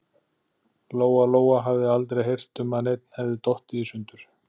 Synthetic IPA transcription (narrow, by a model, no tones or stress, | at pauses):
loːwaloːwaɦavðɪalt̪ɾejɦejr̥t̪ʏmaðnejt̪̚n̥hɛvðɪt̪ɔht̪ɪisʏnt̪ʏɾ̥